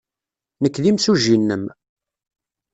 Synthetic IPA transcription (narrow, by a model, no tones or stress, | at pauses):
nəkːðimsuʒinːəm